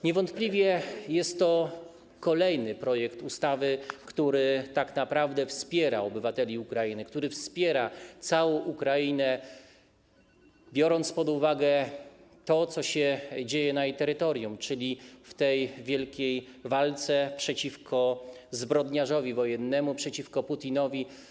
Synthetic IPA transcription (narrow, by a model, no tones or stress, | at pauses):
ɲɛvɔnt̪plʲivʲjɛjɛst̪ːɔ | kɔlɛjnɘpɾɔjɛkt̪ust̪avɘkt̪uɾɘt̪aknapɾavd̪ɛfspʲjɛɾa̰ɔbɘvat̪ɛlʲiukɾajinɘkt̪uɾɘfspʲjɛɾat̪sawɔ̃w̃ʔukɾainɛ | bʲjɔɾɔnt̪spɔd̪uvaɡɛt̪ɔt̪sɔɕɛd͡ʑejɛnajejt̪ɛɾɘt̪ɔɾjumt͡ʂɘlʲift̪ɛjvʲjɛlkʲejvalt̪sɛpʂɛt͡ɕifkʰɔ | zbɾɔd̪ɲaʐɔvʲivɔjɛnːɛmupʂɛt͡ɕifkɔput̪ʲinɔvʲi